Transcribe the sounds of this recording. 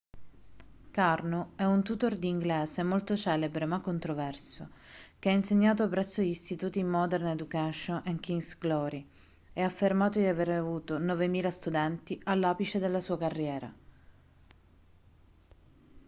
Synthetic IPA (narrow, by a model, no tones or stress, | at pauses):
karnoɛunt̪ut̪ord̪iŋɡleːzemolt̪ot͡ʃɛːlebɾemakːont̪ɾovɛrsokeɛinseɲːaːt̪opɾɛsːoʎist̪it̪uːt̪imːɔd̪erned̪ukɛʃonʔeŋkiŋsɡlɔːɾi | ɛafːermaːt̪od̪iaveɾavuːt̪onɔvemiːlast̪ud̪ɛnt̪iʔalːaːpit͡ʃed̪elːasuːakarːjɛːɾa̰